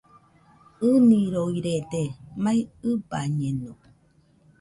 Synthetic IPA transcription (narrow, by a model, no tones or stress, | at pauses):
ɯniɾoiɾed̪emaiɯbaɲeno